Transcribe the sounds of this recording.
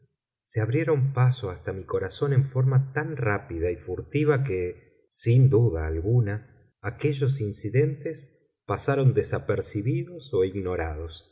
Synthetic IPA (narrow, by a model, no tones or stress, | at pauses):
seaβɾje̞ɾo̞mpasoast̪amiko̞ɾaso̞ne̞ɱfo̞ɾmat̪anrapiðaifuɾt̪iβake | sind̪uðaːlɣunaː | ke̞ʒo̞s̬insiðe̞nt̪es | pasaɾo̞nd̪esapeɾsiβiðo̞so̞iɣno̞ɾað̞o̞s